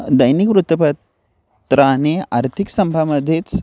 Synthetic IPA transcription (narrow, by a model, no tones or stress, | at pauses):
d̪ɐjnikʋɾut̪əpɐt̪ | t̪ɾaneaɾt̪ʰiksɐmbʱaməd̪ʱːeːt͡s